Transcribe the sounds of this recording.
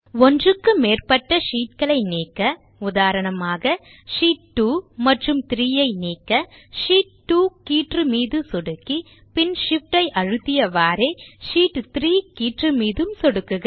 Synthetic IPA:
ɔndrɯkːɯmeːrpɐʈːɐʂiːʈ̚kɐɭɐɪniːkːɐ | ʊðaːɾɐɳɐmaːɣɐ | ʂiːʈ̚ʈːuːmɐʈrɯmt̪ɪɾijɐɪniːkːɐʂiːʈ̚ʈuːkiːʈrɯmiːðɯsɔɽɯkːi | pɪnʂɪfʈːɐɪʔɐɻɯt̪ːɪjɐʋaːɾeɪʂiːʈt̪ɪɾiːkiːʈrɯmiːðɯmsɔɽɯkːɯɣɐ

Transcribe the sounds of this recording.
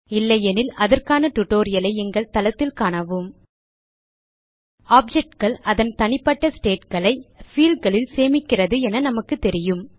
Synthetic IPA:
ɪlːɐɛnɪlɐðɐrkaːnɐʈʊʈːoːɾɪjɐlɐɪɛŋɡɐɭt̪ɐlɐt̪ːɪlkaːɳɐʋɯm | aːp̚d͡ʒɛk̚ʈɡɐɭɐðɐnt̪ɐnɪpːɐʈːɐsʈeːʈkɐɭɐɪfiːlɖɡɐɭɪlseːmɪkːɪrɐðɯɛnɐnɐmɐkːɯt̪ːɛɾɪjɯm

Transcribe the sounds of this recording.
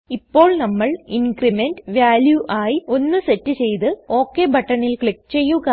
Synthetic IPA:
ipːo̞ːɭnɐmːɐɭinɡrime̞nɖʋjaːljuʔaːjio̞nːɨse̞tːɨt͡ɕe̞jt̪ɨo̞ːkːebʱɐʈːɐɳilkɭik̚ːt͡ɕe̞jːuɣɐ

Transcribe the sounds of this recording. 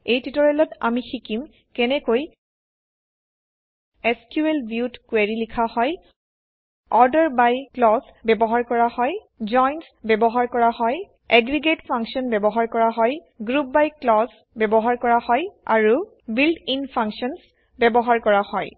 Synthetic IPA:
ejtitɔɹɛlɔta̰mixikim | kɛnɛkoj | ɛskjuelbʱjutkweɹilikʰahɔj | ɔɹdɔɹbajklɔsbɛbɔɦaɹkɔɹahɔj | d͡ʒɔjnsbɛbɔɦaɹkɔɹahɔj | ɛɡɹiɡetpʰaŋksiɔnbɛbɔɦaɹkɔɹaɦɔj | ɡɹup̚bajklɔs | bɛbɔɦaɹkɔɹahɔja̰ɹu | bildinpʰãŋksɔns | bɛbɔɦaɹkɔɹahɔj

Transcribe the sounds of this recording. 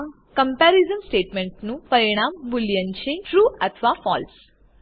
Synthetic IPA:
kɐmpaːɾizɐmsʈeːʈmeɳʈnupɐɾiɳ̃aːmbuljɐɲt͡ʃeʈɾuːɐt̪ʰʋaːfa̰ːls

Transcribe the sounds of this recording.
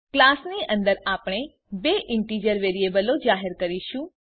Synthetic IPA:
klasniʔə̃nd̪əɾapɳ̃e | beʔɪɳʈid͡ʒəɾʋeɾiebəlod͡ʒaɦəɾkəɾiʃũ

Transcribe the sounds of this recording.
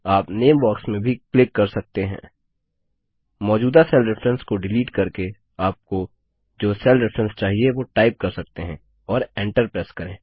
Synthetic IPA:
aːpneːmbɔːksmẽbʱiklɪkːɐɾsɐk̚t̪eɦɛ̰̃ː | mɔːd͡ʒuːd̪asɛlɾɪfʰɾə̃nskoɖɪliːʈkɐɾke | aːp̚ko | d͡ʒoːsɛlɾɪfɾə̃nst͡ʃaːɦieʋoʈaːɪp̚kɐɾsɐk̚t̪eɦɛ̃ | ɔːɾẽːɳʈəɾpɾɛːskɐɾẽː

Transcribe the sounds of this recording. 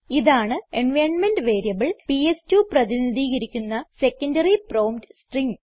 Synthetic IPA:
iðaːɳɨenʋɐjɳnmenɖʋe̞ːɾijɐbɨɭpiestjuprɐðiniðiːɣɐɾikʲːunːɐse̞kːɐndɐriproːmdsʈriŋ

